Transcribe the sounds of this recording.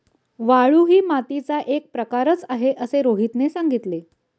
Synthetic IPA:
ʋaɭuːɦiːmat̪it͡saʔek̚pɾəkaɾət͡saɦeʔəseɾoɦit̪nesaŋɡit̪le

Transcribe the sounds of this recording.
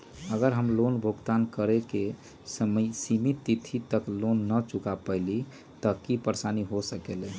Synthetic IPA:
əɡəɾɦəmlonbʱoɡt̪ankəɾeke | səməsimit̪ːit̪ʰit̪əklonːət͡ʃukapəɪli | t̪əkipəɾsaniɦosəkele

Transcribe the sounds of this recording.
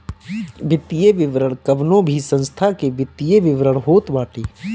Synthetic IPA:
ʋɪt̪ijeʋɪʋɾəɽ̃kəʋnõbʱisə̃nst̪ʰakeʋɪt̪ːijeʋɪʋɾəɽ̃ɦoːt̪baːʈeː

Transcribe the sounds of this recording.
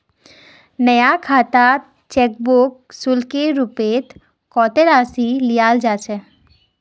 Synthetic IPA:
nəjakʰat̪a | t͡ʃɛk̚boksulkeɾupet̪ | kɔt̪eɾasilijald͡ʒat͡ʃʰɛ

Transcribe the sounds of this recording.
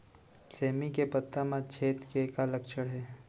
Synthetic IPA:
seːmikepət̪ːamãt͡ʃʰeːt̪kekaləkʃʰəɽɦɛː

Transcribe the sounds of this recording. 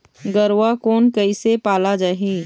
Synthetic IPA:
ɡəɾwakoːnkəɪsepaːlad͡ʒaːɦiː

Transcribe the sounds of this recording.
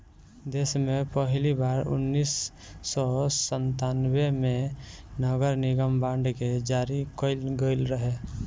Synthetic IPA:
d̪eːsmẽpəɦlibaːɾʊ̰nːiːsː | ɔsənt̪anwemẽnəɡəɾnɪɡəmbãːɳɖked͡ʒaːɾikəɪlɡəɪlɾəɦe

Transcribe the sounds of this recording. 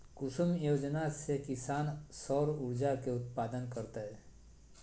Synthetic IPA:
kʊsʊmjoːd͡ʒnasekɪsaːnsɔːɾʊɾd͡ʒakeʊt̪paːd̪ənkəɾt̪aɦɛ

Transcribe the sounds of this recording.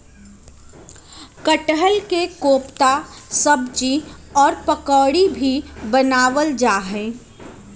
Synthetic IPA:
kəʈɦəlkekoːpt̪asəbd͡ʒiɔːɾpəkɔːɽibʱibənaːʋəld͡ʒaːɦɛ̃ː

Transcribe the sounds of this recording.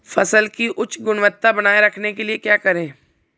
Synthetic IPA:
fɐsəlkiʔʊt͡ʃʰɡʊnʋət̪ːabɐnaːeɾɐkʰnekeliekjaːkɐɾẽː

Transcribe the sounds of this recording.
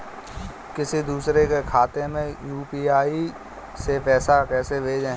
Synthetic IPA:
kɪsid̪uːsɾekekʰaːt̪emẽjuːpiːaːi | sepɛːsakɛːsebʱeːd͡ʒẽː

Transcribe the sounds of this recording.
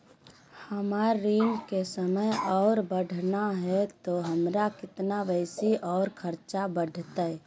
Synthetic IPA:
həmaːɾːiŋkesəməjɔːɾbəɖʱnaɦɛt̪oɦəmɾakɪt̪nabəɪsiʔɔːʊɾkʰəɾt͡ʃabəɖʱt̪əj

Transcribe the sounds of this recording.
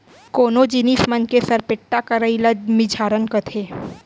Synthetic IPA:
koːnod͡ʒɪnismənkesɐɾpɪʈːakɐɾəiləmɪd͡ʒʱaːɾənkət̪ʰeː

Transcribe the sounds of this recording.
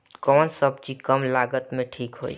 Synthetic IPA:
kɔnsəb̚t͡ʃikəmlaɡət̪mẽʈʰikɦo̰j

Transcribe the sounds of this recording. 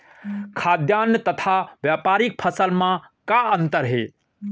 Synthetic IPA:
kʰaːd̪jaːnjət̪ɐt̪ʰaʋjaːpaːɾik̚pʰɐsəlmã | kaənt̪əɾɦḛ

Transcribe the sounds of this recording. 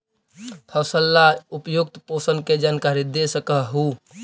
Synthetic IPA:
t̪ʰəsəlːaupjuk̚t̪posənked͡ʒankaɾid̪esəkəɦɦu

